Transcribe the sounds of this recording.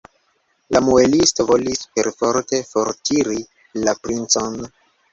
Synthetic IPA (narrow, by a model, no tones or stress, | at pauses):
lamuelistovo̞lispe̞ɾfo̞ɾte̞fo̞ɾtʰiɾi | lapɾint͡so̞n